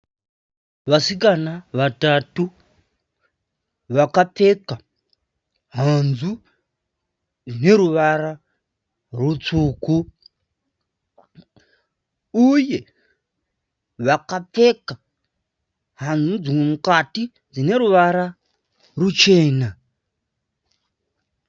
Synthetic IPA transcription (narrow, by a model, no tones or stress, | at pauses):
ʋasikanaʋatatu | ʋakape̞ka | ɦanzu | d͡zine̞ɾuʋara | rut͡suːku | uje̞ | ʋakap͡fe̞ka | ɦand͡zud͡ziŋwemukati | d͡zine̞ɾuʋaɾa | rut͡ʃe̞ːna